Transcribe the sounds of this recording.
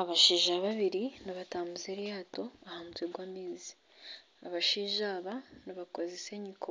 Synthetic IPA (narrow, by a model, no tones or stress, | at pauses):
aβaʃiːʒaβaβiɾinaβataːmbuzeɾijaːto̞ahamutweɡwaːmiːzi̥ | aβaʃiːʒaːβanaβako̞zese̞ɲiko